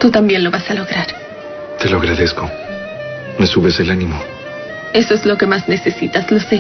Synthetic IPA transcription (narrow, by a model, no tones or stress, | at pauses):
t̪ut̪ambje̞nlo̞βasalo̞ɣɾaɾ | t̪eloaɣɾaðe̞sko̞ | mesuβe̞selanimo | e̞soezlo̞ke̞mazne̞se̞sit̪azlo̞se